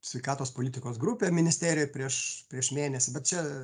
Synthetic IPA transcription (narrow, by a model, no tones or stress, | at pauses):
sʲʋʲɛɪkɑːt̪oːspoːlʲɪt̪ʲɪkoːsɡɾʊpʲeːmʲɪnʲɪsʲt̪ʲeːɾʲɪjjpʲɾʲiɛʃpʲɾʲiɛʃmʲeːnʲɛsʲɪbʲɛt̪̚t͡ʃʲɛ